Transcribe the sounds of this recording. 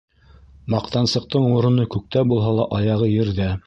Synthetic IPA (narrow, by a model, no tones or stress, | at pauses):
mɑqt̪ɑnsɤ̆q̚t̪ɤɴuɾɤ̆nɤkʉk̚t̪æbulˠɦɑlˠɑʔɑjɑʁɤjɘ̆ɾðæ